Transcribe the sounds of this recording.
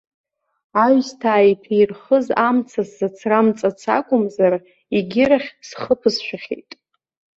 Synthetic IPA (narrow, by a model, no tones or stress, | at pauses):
aɥstʰaːitʰirχəzamt͡sʰaszat͡sʰramt͡sʼat͡sʰa̰kʷʼʊmzar | iɡʲɪɾaχʲsχəpʰɨzʃʷᶣaχʲḛjtʼ